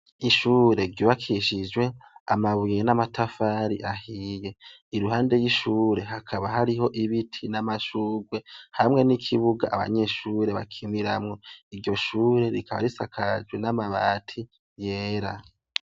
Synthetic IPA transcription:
iʃuːɾe̞ɾɟuβakʰiʃid͡ʒwe̞a̰maβujenamatafaɾiʔahije̞ | iɾuɦaːnde̞jiʃuːɾe̞akʰaβaɦaɾiɦo̞ʔiβitʰinamaʃuːɡwe̞hamŋe̞nikʰiβuɡa̰ʔaβa̰ɲe̞ʃuɾeβa̰kʰimiɾamŋo̞iɾɟo̞ʃuːɾe̞ɾikʰaβa̰ɾisakʰad͡ʒwe̞namaβa̰ːtʰi | jeːɾa

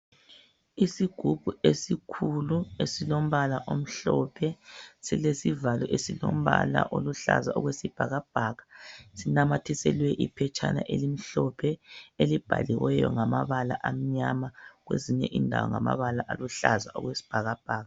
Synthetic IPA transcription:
isiɡ̥ʱub̥ʱuesikʰuluesilom̩βalaʔom̩ɬɔpʰɛsilesivalɛʔesilom̩βa̰la̰ʔoluɬa̰zaʔɔɣwesib̥ʱaɣab̥ʱaɣasinamatʰisɛlwɛʔipʰɛt͡ʃʰʼana̰ʔelim̩ɬɔpʰɛelib̥ʱa̰liwɛjɔŋamaβalaʔam̩ɲamaɣweziɲɛʔindʱa̰wɔŋamaβalaʔaluɬazaɔɣwesi̥b̥ʱaɣab̥ʱaːɣa

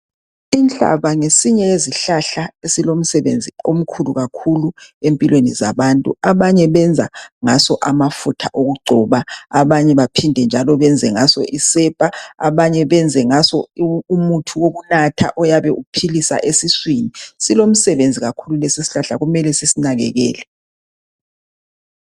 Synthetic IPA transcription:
int͡ɬʼa̰βaŋesiɲɛeziɬaɬaesilom̩sɛβend͡zʱiom̩kʰuluɣakʰuluempʼilweniza̰βantʼṵaβaɲɛβɛnd͡zʱaŋasɔʔamafutʰaʔoɣuɡ͡ǀʱɔːβaaβaɲɛβapʰindʱɛnd͡ʒʱalɔβɛnd͡zʱɛŋasɔ̰ʔisɛːpʼaaβaɲɛβɛnd͡zʱɛŋasɔumutʰuwoɣunatʰa̰ʔɔjaβɛʔupʰilisa̰ʔesiswinisilom̩sɛβend͡zʱiɣakʰululɛsisi̥ɬaɬaɣumɛlɛsisinaɣɛ̰ɣɛ̰ːlɛ

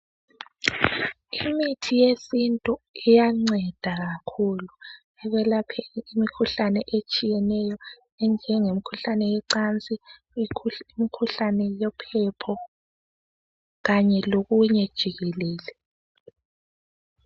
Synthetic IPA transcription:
imitʰijesintʼuijaŋ͡ǀɛd̥ʱaɣakʰulu | ɛɣɛlapʰɛimikʰuɬanɛʔet͡ʃʼijɛnɛjɔ | ɛnd͡ʒʱɛŋemikʰuɬanɛjɛǀant͡sʼi | imikʰuɬanɛjɔpʰɛpʰɔ | ɣaɲɛloɣuɲɛd̥ʒ̥ʱiɣɛlɛːlɛ

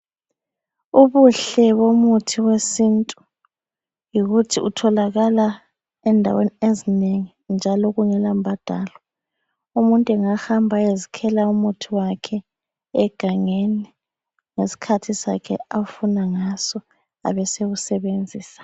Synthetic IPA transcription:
uβuɬɛβomutʰiwesintʼu | jiɣutʰiutʰɔlaɣala | ɛndʱa̰weniezineŋi | nd͡ʒʱalɔɣuŋɛlambʱad̥ʱaːlɔ | umuntʼuɛŋahambʱaezikʰɛlaumutʰiwakʰɛ | ɛɡ̥ʱaŋeni | ŋesi̥kʰatʰisa̰kʰɛ̰afunaŋasɔ | a̰βɛseɣusɛβend͡zʱiːsḁ

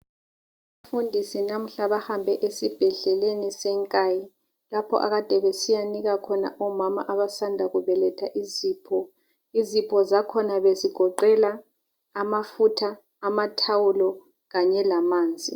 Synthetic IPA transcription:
βafundʱisinam̩ɬaβahambʱɛʔesib̥ʱɛɮɛlenisɛŋkʼaːji | lapʰɔ̰ʔa̰ɣad̥ʱɛβesijaniɣakʰɔna̰ʔɔmama̰ʔaβasandʱaɣuβɛlɛtʰaʔiziːpʰɔ | izipʰɔzakʰɔnaβeziɡ̥ʱɔǃɛlaː | mafutʰaː | matʰawulɔ | ɣaɲɛlamaːnd͡zʱḭ

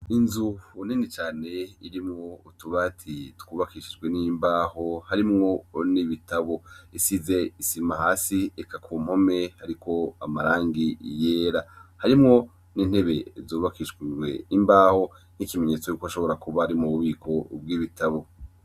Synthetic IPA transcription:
inzuuninit͡ʃaːne̞iɾimŋo̞utuβatʰitkwuːβakiʃid͡ʒɡwe̞nimbaːho̞haɾimŋo̞niβitaβo̞isize̞isimahaːsiekʰakʰuːm̥ho̞me̞haɾikʰo̞amaɾaːŋɡijeːɾahaɾimŋo̞ | niːn̥he̞βe̞zoːβakiʃiwe̞̰imbaːho̞ | nhikime̞ɲe̞ːt͡sojuːkoaʃo̞βo̞ɾakuβahaɾimŋuβuβiːkʰo̞b̚ɡiːβitaβo̞

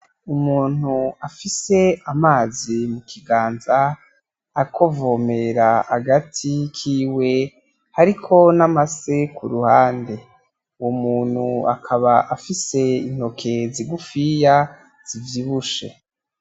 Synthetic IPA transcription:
umuːn̥huafise̞amaːzimukʰiɡaːnzaː | kʰo̞vome̞ɾahaɡatʰikʰiːwe̞ | haɾikʰo̞namase̞kʰuɾuhaːnde̞ | uwomuːn̥hua̰kʰaβaʔafise̞in̥ho̞kʰe̞ziɡufija | z̥ivjiβuʃe̞̰

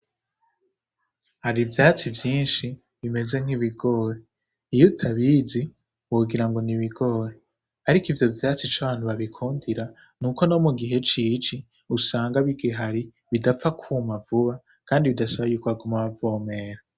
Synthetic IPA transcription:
haɾivjaːt͡sivjiːnʃi | βime̞ze̞ŋ̥iβiɡo̞ːɾe | ijutʰaβizi | woɡiɾaŋɡo̞niβiɡo̞ːɾe̞ | haɾikivjo̞vjaːt͡sit͡ʃaβaːn̥huβaβikʰuːndiɾa | nuko̞no̞muɡiɦe̞t͡ʃiːt͡ʃi | usaːŋɡaβiɡiɦaɾi | βidafakʰuːmavuβa | kaːndiβidasaβajuːkβaɡumaβavoːme̞ːɾa

